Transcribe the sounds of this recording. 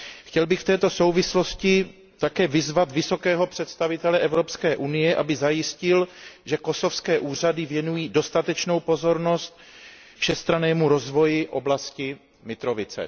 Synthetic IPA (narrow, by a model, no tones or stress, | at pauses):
xcɛlbɪxft̪ɛːt̪o̞so̞wvɪslo̞scɪ | t̪akɛːvɪzvat̪vɪso̞kɛːɦo̞pr̝̥ɛt̪st̪avɪt̪ɛlɛʔɛvɾo̞pskɛːʔunɪjɛʔabɪzajɪscɪlʒɛko̞so̞fskɛːʔuːr̝adɪvjɛnujiːdo̞st̪at̪ɛt͡ʃno̞wpo̞zo̞ɾno̞st̪̚ | fʃɛst̪ɾanɛːmuɾo̞zvo̞jɪʔo̞blascɪ | mɪt̪ɾovɪt͡sɛ̰